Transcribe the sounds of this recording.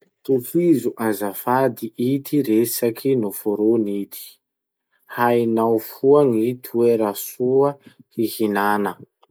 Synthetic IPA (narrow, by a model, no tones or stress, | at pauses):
t̪ukizuʔazafad̪iʔit̪iɾesakʰinufoɾonit̪i̥ | hajnawfuaŋit̪ʰueɾasuəhihinanə